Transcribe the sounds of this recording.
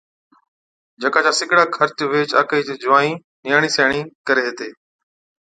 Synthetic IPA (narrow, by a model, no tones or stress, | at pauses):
d͡ʑɐkaːd͡ʑaːsɪɡɪɽaːkʰəɾt͡ɕʋeːt͡ʃa̰ːkəid͡ʑeːd͡ʑʊaːnĩː | nɪjaːɽ̃isaːɽ̃iːkəɾeɦet̪eː